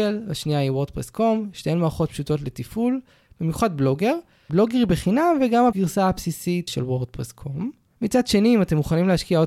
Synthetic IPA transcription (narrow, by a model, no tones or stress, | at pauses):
elhaʃniahiwo̞ʁd̪̚pʁesko̞mʃtejmaːχo̞t̚pʃuto̞tle̞tiful | b̥imjuχad̚blo̞ɡe̞ʁ | blo̞ɡeʁbeχinamveɡamhaɡiʁsaapsisitʃelwoʁd̚pʁeskʰo̞mː | it͡sadʃe̞niːmate̞mːuχanimlehaʃkiao